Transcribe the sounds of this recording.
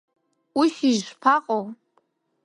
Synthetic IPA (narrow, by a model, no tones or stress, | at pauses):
uʃiʒʷpʰaqʼow